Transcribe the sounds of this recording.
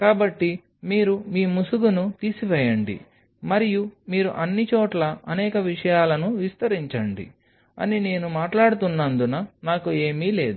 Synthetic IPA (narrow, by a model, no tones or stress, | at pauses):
kaːbɐʈːi | miːɾumiːmusuɡunut̪iːsiʋɛːjɐɳɖḭ | mɐɾijumiːɾuʔɐnːit͡ʃoːʈlɐɐnɛːkɐʋiʂɐjaːlɐnuʋist̪ɐɾiɲt͡ʃɐɳɖḭ | ɐ̰nine̞ːnumaːʈlaːɽut̪unːɐnd̪unɐnaːkue̞ːmiːle̞ːd̪u